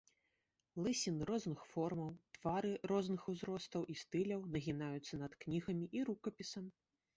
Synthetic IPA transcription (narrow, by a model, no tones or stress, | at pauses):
lˠɨsʲinɾɔznɨxfɔrmɐwt̪v̥aɾɨɾɔznɨxuzɾɔst̪ɐwʔist̪ɨlʲɐwnɐɣʲinajut̪sːɐnɐt̪knʲiɣɐmʲiʔiɾukɐpʲisɐm